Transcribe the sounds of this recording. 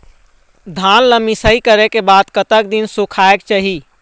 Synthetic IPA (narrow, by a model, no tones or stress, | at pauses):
d̪ʱanləmisəikəɾekebad̪kət̪ək̚d̪insukʰaekt͡ʃaɦi